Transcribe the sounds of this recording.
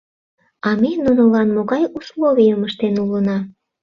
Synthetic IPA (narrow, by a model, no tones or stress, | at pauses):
ɑmenunolɑnmoɣɑjuslˠoβijəməʃt̪enulənɑ